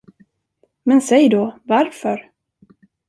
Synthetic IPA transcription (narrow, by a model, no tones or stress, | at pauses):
mɛnsɛjd̪ovaɾfœɾ